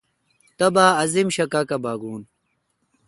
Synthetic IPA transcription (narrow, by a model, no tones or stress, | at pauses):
t̪ɐbaːɐzimɕɐkakɐbaːɡuːn